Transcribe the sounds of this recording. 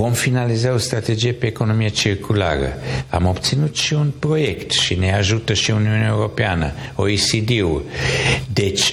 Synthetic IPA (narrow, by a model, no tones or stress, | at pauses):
vo̞mfinalizao̞st̪ɾat̪ed͡ʒijepe̞ːko̞no̞mijet͡ʃirkʰula̰ɾə̰a̰mo̞bt̪sinut̪ʃiunpɾo̞je̞kt̪ʃine̞aʒut̪əʃiuniuneaeuɾo̞peanə̰oisid̪iu | d̪e̞t͡ʃʲ